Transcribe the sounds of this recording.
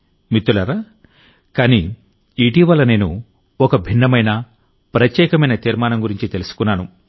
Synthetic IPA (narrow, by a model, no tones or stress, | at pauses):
mit̪ːulɐɾaː | kaːni | iʈiːʋɐlːɐne̞ːnṵ | ɔkɐbʱinːɐmɐjnɐ | pɾɐt̪jɛːkɐmɐjnɐt̪iːɾmaːnɐmɡuɾiɲt͡ʃit̪e̞lusu̥kunːaːnu